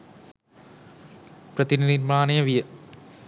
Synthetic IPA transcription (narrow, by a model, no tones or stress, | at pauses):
prɐt̪ininiɾmaːnɐjɐʋijɐ